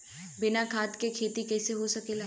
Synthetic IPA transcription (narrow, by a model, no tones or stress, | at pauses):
bɪnakʰaːt̪kekʰeːt̪ikɛːseɦosɐkel